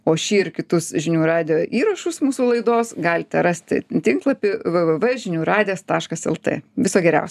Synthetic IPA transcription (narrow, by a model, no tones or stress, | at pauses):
oːʃʲiːɪɾkʲɪt̪ʊsʒʲɪnʲuːrɑːd̪ʲɪjoːʔiːɾɐʃʊsmuːsuːlˠɐɪd̪oːsɡɑːlʲt̪ʲɛɾɑsʲt̪ʲt̪ʲɪŋklˠɐpʲɪʋɨʋəʋɛʒʲɪnʲuːɾɑːd̪ʲɪeːst̪ɑːʃkɐsɛ̰lˠt̪ḛːʋʲɪsoːɡʲɛɾʲɛ̰ʊsʲ